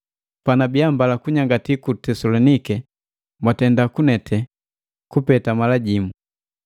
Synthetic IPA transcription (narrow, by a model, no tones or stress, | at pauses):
panabiambalakuɲaŋɡatikutɛsɔlɔnikɛ | mwatɛndakunɛtʰɛ | kupɛtamalaɟimu